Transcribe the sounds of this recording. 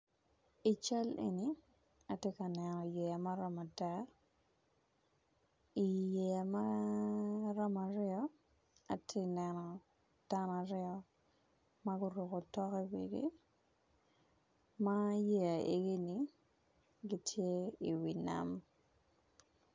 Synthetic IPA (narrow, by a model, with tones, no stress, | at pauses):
i˨t͡ʃa˦lḛ˨ni˨ | a˨tje˦ka˨nɛ˨nɔ˨i˨je˨a˨ma˦ɾɔ˦ma˨ta˦ | i˨je˨a˨ma˦ | ɾɔ˦ma˨ɾjɔ˦ | a˨tʰje˦nɛ˨nɔ˨ | d̥a˦na˨ɾɪɔ˦ | ma˦ɡʊ˦ɾu˨ko˨tɔ˦ki˦wḛ˨ɡḭ˦ | ma˦je˦a˨ʔḛ˨ɡi˦ni˨ | ɡi˦tʰje˦i˨wi˨na̰˨m